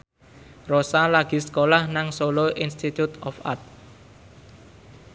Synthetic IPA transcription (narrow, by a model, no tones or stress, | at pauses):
rosalaɡ̥i̤skolahnaŋsoloʔinst̪it̪ut̪ɔfa̰rt̪̚